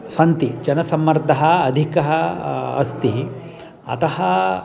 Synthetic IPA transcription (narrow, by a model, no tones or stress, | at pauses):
sɐnt̪id͡ʒɐnɐsɐmːɐɾd̪ʱɐɦɐːd̪ʱikɐɦɐɐ̰st̪i | ɐ̰t̪ɐɦɐ